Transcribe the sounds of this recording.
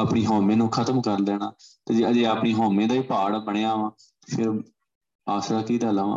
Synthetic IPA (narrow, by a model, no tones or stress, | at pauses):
aːpɳiːɦɔːmẽːnũːkʰət̪əmkəɾd̪eːnaːt̪eːd͡ʒd͡ʒeːaːpɳiːɦɔːmẽːd̪aːiːpaːɽbəɽ̃eːaːʋãː | t̪epʰɪɾ | aːsɾaːkiːd̪aːlaːʋã̰ː